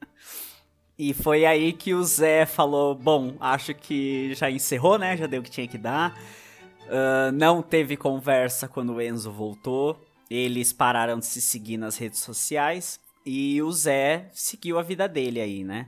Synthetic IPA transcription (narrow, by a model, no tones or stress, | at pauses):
ɪfojaikʰɪʊzɛfalobõw̃aʃʊkʰɪʒaẽseɦonɛʒad̪ejʊkɪ̥t͡ʃĩɲɐkɪd̪a | ɛnɐ̃w̃t̪evɪkõvɛɾsɐkwɐ̃nd̪ʊʊẽzʊvowt̪o | elɪspaɾaɾɐ̃w̃d͡ʒ̪ɪsɪsɪɡiɾnɐshed͡ʒɪsːosiajs | ɪʊzɛsɪɡiwɐvid̪ɐd̪elɪainɛ